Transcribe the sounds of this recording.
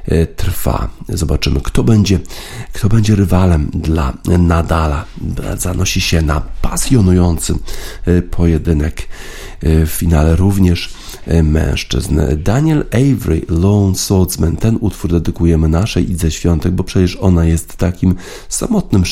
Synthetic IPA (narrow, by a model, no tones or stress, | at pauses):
t̪ɾfa̰zɔbat͡ʂɘmɘkt̪ɔbɛɲd͡ʑɛ | kt̪ɔbɛɲd͡ʑɛɾɘvalɛmd̪la̰nad̪alazanɔɕiɕɛnapasʲjɔnujɔnt̪sɘ | pʰɔjɛd̪ɘnɛk | ffʲinalɛɾuvɲɛʂ | mɛ̰̃w̃ʂt͡ʂɘ̰znd̪aɲɛlɛjvɾḭlɔɔnsɔlt̪smɛnt̪ɛnut̪fuɾd̪ɛd̪ɘkujɛmɘnaʂɛjʔizaɕfʲjɔnt̪ɛɡ̚bɔpʂɛt͡ɕɛʂɔnajɛst̪ːakʲim | sa̰mɔt̪̚nɘm